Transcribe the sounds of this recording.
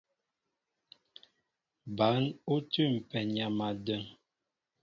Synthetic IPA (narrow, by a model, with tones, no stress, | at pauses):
ba˨˦nu˦tʉ˦˨m̩˨pɛ˨ɲa˨ma˨də˦˨ŋ